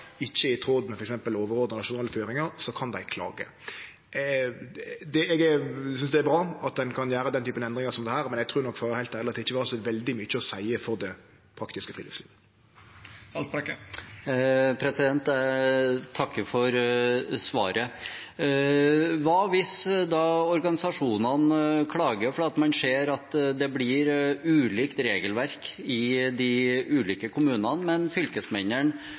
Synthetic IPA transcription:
ɪçːəɪt̪ʰɾoːd̪mɛfɔɾɛksɛmpəloːʋəɾoːd̪ənɑʂʊnɑːləføːɾɪŋəɾsɔkʰɑnd̪æɪkʰlɑ̰ːɡə̰ | d̪ɛɛɡæɾsʏnsd̪ɛæbʁɑːɑt̪̚d̪ɛnkʰɑnjæːɾəd̪ɛnt̪ʰyːpənɛnd̪ʁɪŋəsɔmd̪ɛhæːɾmɛnɛɡt̪ʰʁʉːnɔkːfɔɾhæɪt̪æːɾlɪɑt̪ɛɪçːəʋɑːɾəsɔʋɛld̪ɪmyt͡ʃːəɔsæɪəfɔɾd̪ɛ | pʰɾɑkt̪ɪskəfʁḭːlḭːfslḭː | ɑlt̪̚pɾɛkːə | pʰɾɛsɪd̪ɛnt̪ | t̪ʰɑkːəfɔɾsʋɑ̰ːɾə | ʋɑʋɪsd̪ɑːɔɾɡɑnɪsɑʂuːnɑnkʰlɑːɡəɾfɔɾɑt̪mɑnʂeːɾɑt̪d̪ɛblɪɾʉːliːkt̪ɾeːɡəlʋæɾkɪd̪ɪʉːliːkəkʰʊmʉːnɑnmɛnfʏlkəsmɛnəɳ

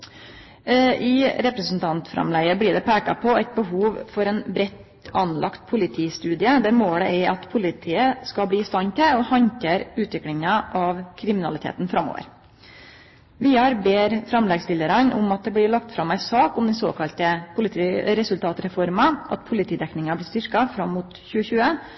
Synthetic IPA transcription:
ʔɪɾɛpɾɛsn̩t̪ʰɑnt̪fɾɑ̰mlæɪəblɪɖɛpʰæːkɑ̰pʰɔæɪt̪̚bəɦuːʋfɔɾɛnbɾɛt̪ | ɑnlʔɑ̰kt̪pʰʊlɪt̪ʰiːst̪ʉːd̪ɪəd̪æɾmoːɽəæʔɑt̪pʰʊlɪt̪ʰiːəskɑbɽiːɪst̪ɑnt̪əɔhɑɲkəɾʉːt̪ʋɪklɪŋəʔɑʋkʰɾɪmɪnɑlɪt̪ʰḛːt̪nfɾɑmːo̰ːʋə̰ɾ | ʋiːɑɾbeːɾfɾɑmlɛɡsbɪləɾɑnʔʊ̰mɑt̪̚d̪ɛblɪɾɭɑk̚t̪fɾɑmːæɪsɑːkʊmd̪ɛnso̰ːkʰɑlt̪əpʰʊlɪt̪ʰiːɾɛsʉlt̪ʰɑːt̪ɾɛfɔɾmɑʔɑ̰t̪̚pʰʊlɪt̪ʰiːd̪ɛknɪŋɑblɪst̪ʏɾkɑfɾɑmːʊt̪çʉːəçʉːə

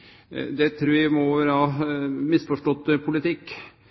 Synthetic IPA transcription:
d̪ɛt̪ʰɾʉːɾæmɔɾhɑːmɪsfɔʂʈɔt̪ːpʰʊlɪt̪ɪkː

